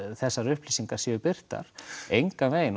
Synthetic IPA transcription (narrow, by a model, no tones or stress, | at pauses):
θɛsːaɾʏhpliːsiŋkḁsjœːʏpɪr̥t̪a̰ɾ̥ejŋkaveːjɪn